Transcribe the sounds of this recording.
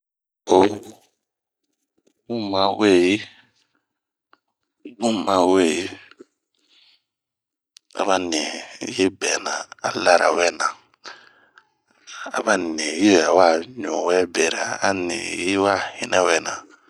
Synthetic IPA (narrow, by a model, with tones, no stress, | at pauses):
o˦ | mũ˦mã˦we˦˨ji˦ | mũ˦mã˨˦we˦˨ji˦ | a̰˨βa˦ne˨˦je˦bɛ˨nã˨a˦la˦ɾa̰˨wɛ˦˨nã˨ | a̰˨ba˦nẽ˨ji˦wɛ˨a˨wa˦˨ɲɔ̃˨wɛ˦bɛ˨ɾa̰˨a˦nḛ̃˨ji˦wa˦˨hi˦nɛ˦wɛ˦˨nã˨